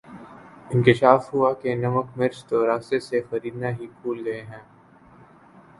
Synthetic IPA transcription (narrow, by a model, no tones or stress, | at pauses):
ɪ̃nkɪʃaːfɦuakenɐməkmɪɾt͡ʃt̪oɾaːst̪esexɐɾiːd̪naɦikʰuːlɡɐeɦɛ̃ː